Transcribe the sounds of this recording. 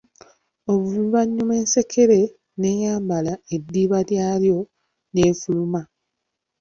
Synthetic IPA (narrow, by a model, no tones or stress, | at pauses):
o̞βuβuβaɲːume̞ːnse̞kʰe̞ɾe̞ | ne̞jaːmbalae̞dːiːβaljaːljo̞ | ne̞ːfuluma